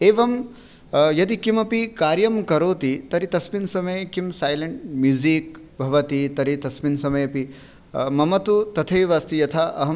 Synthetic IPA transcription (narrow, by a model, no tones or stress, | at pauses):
eːʋɐm | jɐd̪ikimɐpikaːɾjɐmkɐɾoːt̪it̪ɐɾit̪ɐsminsɐmɐjkimsaːjlɐɳʈ̚mjuziːk̚ | bʱɐʋɐt̪it̪ɐɾit̪ɐsminsɐmɐjɐpi | mɐmɐt̪ut̪ɐt̪ʰɐjʋaːst̪ijɐt̪ʰaʔɐɦɐ